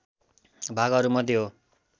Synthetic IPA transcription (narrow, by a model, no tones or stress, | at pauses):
bʱaɡʌɾumʌd̪iɦo